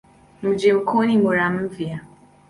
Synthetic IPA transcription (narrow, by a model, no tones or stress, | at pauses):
m̩d͡ʒɪm̩konimoɾam̩m̩vja